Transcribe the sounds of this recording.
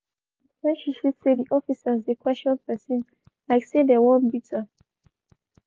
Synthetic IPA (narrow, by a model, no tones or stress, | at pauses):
ɛ̃nʃiʃudsediʔɔfisazekwɛst͡ʃɔ̃npɛsĩn | laɪksedɛwɔ̃nbitʰa